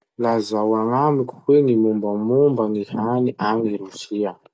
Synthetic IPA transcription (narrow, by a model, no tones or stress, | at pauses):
lazawaŋamiku̥kweŋimumbamumbaŋihaniʔaŋiɾusia